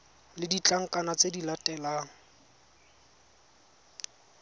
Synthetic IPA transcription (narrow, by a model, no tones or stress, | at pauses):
lɪdit͡ɬʼaŋ̩kʼanat͡sedilatʼɛlaːŋ̩